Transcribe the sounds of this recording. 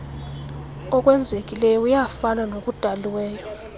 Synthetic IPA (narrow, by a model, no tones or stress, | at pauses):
ɔkʼwɛnd͡zʱekʼilɛjɔujafananok̬ʼud̥ʱaliwɛːjɔ